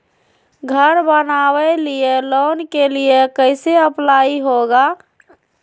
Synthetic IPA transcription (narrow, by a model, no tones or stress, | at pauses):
ɡʱəɾbənawɛlielonkelijekəɪseəplaiɦoɡa